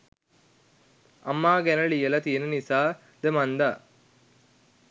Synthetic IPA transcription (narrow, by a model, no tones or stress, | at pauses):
ɐmːaːɡænəɭijəlɐt̪iənənisaː | d̪əmɐnd̪a